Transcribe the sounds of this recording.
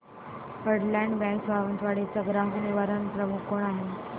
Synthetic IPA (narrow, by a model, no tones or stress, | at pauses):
pəɽlãɳɖbɛ̃kbʱaʋənt̪ʰʋaɽet͡səɡɾaɦuniʋaɾənpɾəmukoɳ̃aɦe